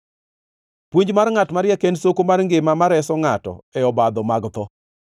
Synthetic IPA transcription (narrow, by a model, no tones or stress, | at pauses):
pwuɲd͡ʒmaɾŋatmaɾjakensokomarŋɡɪmamaɾɛsɔŋatɔ̰ɛɔbad̪ɔmaɡt̪ɔ